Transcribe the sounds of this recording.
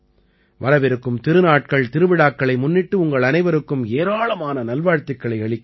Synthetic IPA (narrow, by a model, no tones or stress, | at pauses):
ʋɐɾɐʋɪɾɯkːɯmt̪ɪɾɯnaːʈ̚kɐɭt̪ɪɾɯʋɪɽaːk̚kɐɭɐɪmʊnːɪʈːɯʊŋɡɐɭɐnɐɪʋɐɾɯkːɯmeːɾaːɭɐmaːnɐnɐlʋaːɻt̪ɪkːɐɭɐɪɐɭɪkː